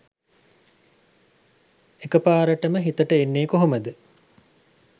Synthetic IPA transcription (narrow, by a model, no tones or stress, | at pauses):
ekəpaːɾəʈəməɦit̪əʈəenːeːkoɦoməd̪ə